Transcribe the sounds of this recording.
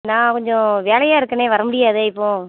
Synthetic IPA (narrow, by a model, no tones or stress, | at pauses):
nãːkɔɲd͡ʒɔ̃ʋeːɭɐjaːɪɾɯkːɐneːʋɐɾɐmʊɽɪjaːðeːɪpːõː